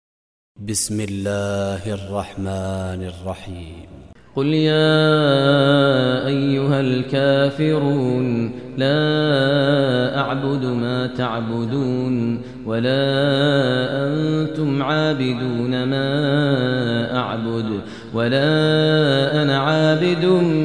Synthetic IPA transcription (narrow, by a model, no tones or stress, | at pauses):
bɪsmɪlːaːhʔɑrˤːɑħmaːnɑrˤːɑħiːmqʊljaː | ʔajːʊhalkaːfɪɾuːnlaː | ʔaʕbʊd̪maːt̪aʕbʊd̪uːn | walaː | ʔant̪ʊmʕaːbɪd̪uːnamaː | ʔaʕbʊd̪ | walaː | ʔanaʕaːbɪd̪uːn